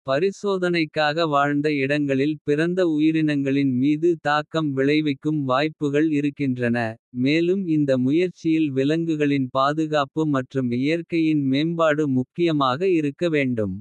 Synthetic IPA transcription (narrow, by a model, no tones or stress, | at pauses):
pɐɾɪsoːðɐnɐɪkːaːɣɐʋaːɻnd̪ɐɪɽɐŋɡɐɭɪlpɪɾɐnd̪ɐʊjɪɾɪnɐŋɡɐɭɪnmiːðɯt̪aːkːɐmʋɪɭɐɪʋɐɪkːɯmʋaːjpːɯɣɐɭɪɾɯkːɪndrɐnɐmeːlɯmɪnd̪ɐmʊjɐɾt͡ʃːɪjɪlʋɪlɐŋɡɯɣɐɭɪnpaːðɯɣaːpɯmɐʈrɯmɪjɐɾkɐjɪnmeːmbaːɽɯmʊkːɪjɐmaːɣɐɪɾɯkːɐʋeːɳɖɯm